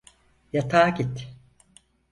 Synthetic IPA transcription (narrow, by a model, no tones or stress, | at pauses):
jat̪ʰaːɡit̪